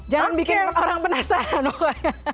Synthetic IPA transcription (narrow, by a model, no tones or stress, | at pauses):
d͡ʒaŋanbikɪŋoɾaŋpənasaanɔχaa